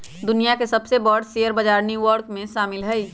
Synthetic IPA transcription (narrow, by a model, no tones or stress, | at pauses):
d̪ʊnijakesɐbsebɔːɖsejəɾbɐd͡ʒaːɾniʋɔɾkmẽʃaːmɪlɦɛi